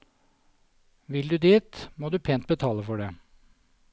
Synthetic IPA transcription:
ʋɪld̪ʉːd̪iːt̪moːd̪ʉːpʰeːnt̪̚bət̪ʰɑːləfɔɖeː

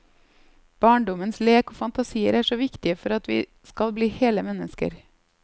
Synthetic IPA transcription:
b̥ɑːɳɖɔmənsleːkoːfɑnt̪ɑsiːə̰ɾæːʂoːʋɪkt̪ɪəfɔɾɑt̪ʋḭː | skɑlbliːheːləmɛnːəskə̰ɾ

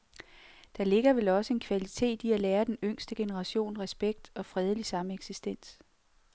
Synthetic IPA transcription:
d̥ɑ̈le̝ɡ̥ɐʋelɒ̽səe̝nkʰʋælit͡sʰe̝̰ːd̥iælɛːɐd̥enøŋ̰sd̥əɡ̥e̝nəʁɑ̈ɕo̝̰ːnʁɛsb̥eɡ̥̚d̥ɒ̽fʁɛð̞ˠlisɑ̈məeɡ̥sisd̥en̰s

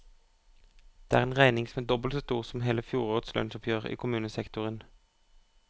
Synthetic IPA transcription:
d̪̥eːæːʁeːnʁæɪnɪŋsɔmeːd̪ɔbəlsɔst̪uːʁsɔmheːləfjuːʁoːʁd̪slœ̰nsɔpʰjøːʁḭːkʰʊmʉːnəsɛkt̪ʊʁən

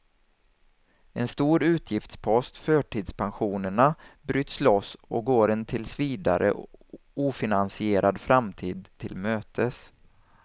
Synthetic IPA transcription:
ɛnst̪uːɾʉ̟ːt̪ʰjɪft̪spʰɔst̪fœːʈʰiːd̪spʰanɧuːnəɳabɾyːt̪slɔsɔ̰k̚ɡoːɾɛnt̪ʰɪlsviːd̪aɾʔə̰ | uːfɪnansɪeːɾʔad̪fɾamt̪ʰiːd̪̚t̪ʰɪlmøːt̪ʰəs

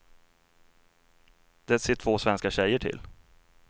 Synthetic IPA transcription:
d̪̥ɛseːʈʰvoːsvɛnskaɕɛjːəʈʰɪ̰l

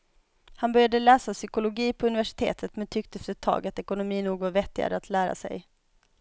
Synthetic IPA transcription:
hanbœɾjad̪əlɛːsasʏkʊlʊɡiːpʰɔɵnɪvæʂɪ̥t̪ʰḛːt̪ʰət̪mɛnt̪ʰʏk̚t̪əɛft̪əɛt̪ʰːɑ̰ːɡat̪ɛkʊnʊmiːnuːɡvaɾvɛt̪ːɪɡa̰ɾəat̪ʰlæːɾa̰sɛ̰j

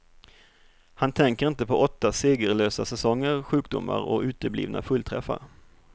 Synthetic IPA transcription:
hant̪ʰɛŋkəɾɪnt̪əpʰɔʔɔt̪ːaseːɡəɾløːsasɛsɔŋːəɾɧʉ̟ːkd̪ʊ̰mːa̰ɾɔʉ̟ːt̪əblḭːvnʔa̰fɵlt̪ʰɾɛ̰fːa̰ɾ

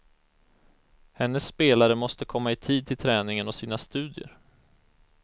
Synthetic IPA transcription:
hɛnːəsːpeːlaɾəmɔst̪əkʰɔmːaɪt̪ʰiːd̪̚t̪ʰɪlt̪ʰɾɛːnɪŋənɔsiːnast̪ʉ̟ːd̪jə̰ɾ

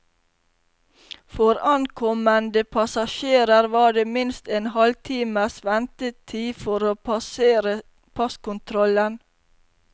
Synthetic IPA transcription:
fɔɾɑnkʰɔmənd̪əpʰɑsɑʃeːɾəɾʋɑːɖeːmɪnst̪eːnhɑlt̪ʰiːməsʋɛnt̪ət̪ʰiːfɔɾoːpɑseːɾə | pʰɑskʊnt̪ʰɾɔlən

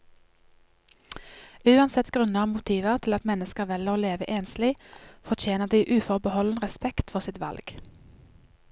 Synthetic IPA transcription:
ʉːɑnsɛt̪ɡʁʉnəʁɑːmʊt̪ʰiːʋəʁt̪ʰɪlɑt̪mɛnəskəʁʋɛləʁoːleːʋə̰ʔeːnslɪfɔt͡ʃʰeːnəʁd̪iːʔʉːfɔʁbəhɔln̩ʁɛspɛkt̪fɔʁsɪt̪ʋɑ̰lɡ̥

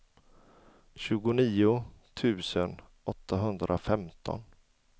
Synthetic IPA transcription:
ɕʉ̟ːɡʊniːʊt̪ʰʉ̟ːsən | ɔt̪ʰːaɦɵnd̪ɾʔafɛmt̪ʰɔ̰n

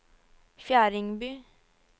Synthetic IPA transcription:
fjæːɾɪŋbyː

